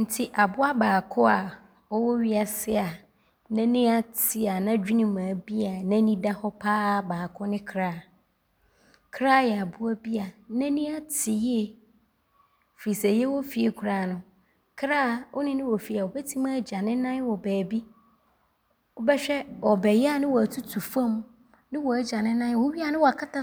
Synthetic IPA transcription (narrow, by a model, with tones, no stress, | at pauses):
n̩˨tʰi˦ʔa˨bʊ˦a˦baː˨kʰʊ˦a˨ | ɔ˦wɔ˦ɥi˦a˨sɪ˦a˨ | nã˦nĩ˦a˦tʰɪ˦˨a˨nã˦d͡ʑᶣi˦nĩ˨mãː˨bi˦a˨nã˦nĩ˦da˦hɔ˦pʰaː˦baː˨kʰʊ˦nɪ̃˦kʰɾaː˦˨ | kʰɾaː˦jɛ˨a˨bʊ˦a˦bi˦a˨nɛ̃˦nĩ˦a˦tʰɪ˨je˦˨ | fɾi˨sɛ˨jɛ˦wɔ˦fi˨e˨kʷʰu˨ɾaː˨nʊ̃˨ | kʰɾaː˦˨ʔɔ̰˦nɪ̃˦nɪ̃˦wɔ˨fi˨a˨wɔ˨bɛ˦tʰi˦mãː˦˨d͡ʑa˨nɪ̃˦nã˦n˦wɔ˨bɛː˨bi˦ | ɔ˦bɛ˦ɕᶣɛ˦wɔ˨bɛ˨jɛ˦a˨nɪ̃˦wɔ˨æ˨tʰu˦tʰu˨fã˦m | nɪ̃˦wɔ˨a˨d͡ʑa˨nɪ̃˦nã˦n˦wɔ˨˦ɥi˦a˦˨nɪ̃˦wɔ˨a˨kʰa˦tʰa˦